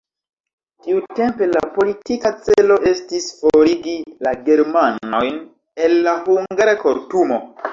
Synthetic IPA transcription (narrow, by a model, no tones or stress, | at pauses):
tiute̞mpe̞la̰po̞litikat͡selo̞ʔe̞stisfoɾiɡilaɡe̞ɾmano̞jn | e̞lːahuŋɡaɾeko̞ɾtumo̞